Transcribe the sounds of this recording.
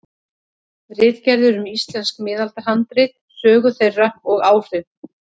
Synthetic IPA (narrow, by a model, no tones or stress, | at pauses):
rɪːðcɛɾðʏɾʏmist̪lɛnskmɪːðalt̪aɦant̪ɾejt̪̚ | sœːɣʏθejrːaɔɣaːwfʏ